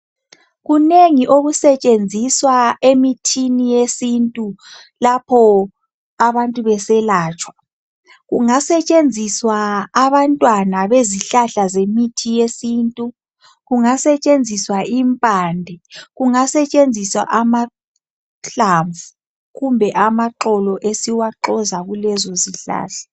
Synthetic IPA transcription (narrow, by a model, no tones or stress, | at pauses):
ɣuneŋiʔoɣusɛt͡ʃʼend͡zʱiswaemitʰinijesintʼu | lapʰɔ | aβantʼuβɛsɛlaːt͡ʃʼwa | ɣuŋasɛt͡ʃʼend͡zʱiswaːβantʼwanaβeziɬaɬazemitʰijesiːntʼu | ɣuŋasɛt͡ʃʼend͡zʱiswaimpʼaːndʱɛɣuŋasɛt͡ʃʼend͡zʱiswa̰ʔama | ɬaɱvu | ɣumbʱɛʔamaǃɔlɔʔesiwaǃɔzaɣulɛzɔziɬa̰ːɬḁ